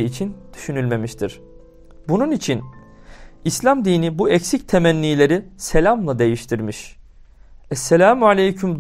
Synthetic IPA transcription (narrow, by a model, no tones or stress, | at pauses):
it͡ʃʰind̪̥y̥ʃynylʲme̞miʃt̪ʰiɾ̥ | bununit͡ʃʰin | islʲamd̪iːnibuɛcsic̚t̪ʰe̞mænːʲiːlʲe̞ɾise̞lʲamlˠad̪e̞jiʃt̪ʰiɾmiʃ | ɛselʲaːmalʲejcʰymd̪